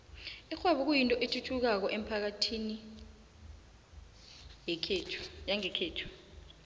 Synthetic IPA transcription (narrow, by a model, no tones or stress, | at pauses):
ixʰwaɓuk̬ujintʼɔʔetʰutʰuk̬ak̬ɔʔem̩pʰak̬atʰini | jɛkʰeːtʰu̥jaŋɛkʰeːtʰu̥